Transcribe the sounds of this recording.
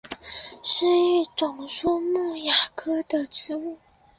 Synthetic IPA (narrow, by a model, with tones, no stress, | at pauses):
ʂɻ̩˥˧y˥˩ʈ͡ʂʊ˨˩ŋʂu˥˧mu˥˩ja˨˩kʰɤ˥d̪ə˨ʈ͡ʂɻ̩˥u˥˩